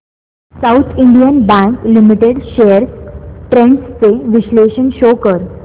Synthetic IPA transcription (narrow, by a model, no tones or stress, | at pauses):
saut̪ʰiɳɖijənbæ̃ŋklimiʈeɽɕejəɾʈɾẽɳɖst͡seʋiɕleɕənɕokəɾ